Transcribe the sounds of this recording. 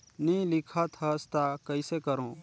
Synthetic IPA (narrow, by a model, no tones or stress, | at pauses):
nĩlɪkʰət̪ɦəst̪akəɪsekəɾõː